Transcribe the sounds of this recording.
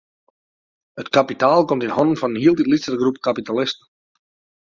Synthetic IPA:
hətkapitaːlˠkɔmtɪnhɔnənfɔnənhiəlˠtitlisərɡrupkapitalɪstən

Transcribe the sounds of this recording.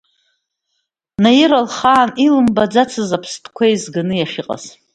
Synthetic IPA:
najɪɾalχaːnilɨmbad͡zat͡sʰɨzapʰstʼʰkʷʰajzɡanɨjaʃʲɪqʼa̰z̥

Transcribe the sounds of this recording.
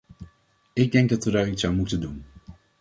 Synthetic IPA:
ɪɡ̚dɛŋɡ̚dɑtʋədaːritsawmutəndun

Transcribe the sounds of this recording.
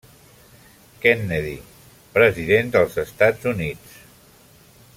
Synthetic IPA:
kɛnːeðḭ | pɾəziðend̪əlˠzəst̪ad͡zunit͡s

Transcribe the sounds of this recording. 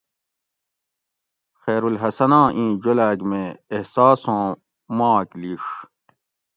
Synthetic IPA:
xeːɾulɦɐsɐnãːʔĩːd͡ʑolaːɡmeːhsaːsõː | mãːkliːʂ

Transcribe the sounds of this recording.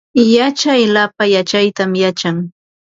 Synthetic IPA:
jat͡ʃajlapajat͡ʃajt̪amjat͡ʃaŋ

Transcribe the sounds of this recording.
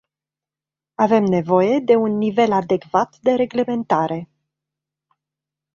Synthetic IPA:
ave̞mne̞vo̞je̞d̪e̞unːive̞lad̪e̞kvat̪d̪e̞ɾe̞ɡle̞me̞nt̪aɾʔe̞

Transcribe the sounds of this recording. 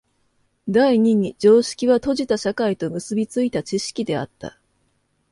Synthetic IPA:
d̪aiɲ̟iɲ̟id͡ʑo̞ːɕi̥kʲiβat̪o̞ʑit̪aɕakait̪o̞mɯ̟sɨbʲit͡sɨit̪at͡ɕiɕi̥kʲid̪e̞a̰t̪ːa̰

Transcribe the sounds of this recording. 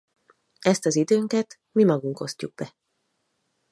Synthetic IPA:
ɛst̪ɒzid̪øːŋkɛt̪ | mimɒɡuŋko̞scuɡ̚bɛ

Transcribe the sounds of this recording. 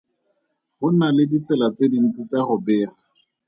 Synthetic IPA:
χʊnalɪdit͡sɛlat͡sedin̩t͡sit͡saχʊbɛːra

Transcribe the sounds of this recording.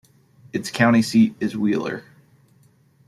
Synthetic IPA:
ɨtskʰãʊ̃ɾ̃isiɾɨzwilˠə̰˞

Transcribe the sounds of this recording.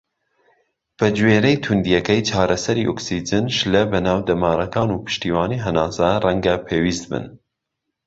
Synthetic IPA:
b̥ɐd͡ʒweːɾɛjt̪ʰund̪ijɛkɛjt͡ʃʰɑːɾɐsɐɾiːʔoksid͡ʒɨnʃlɛbɐnɑːwd̪ɐmɑːɾɐkɑːnuːpʰɨ̥ʃt̪iːwɑːniːɦɐnɑːsarɛŋɡɐpʰeːwiːst̪̚bɨ̰n

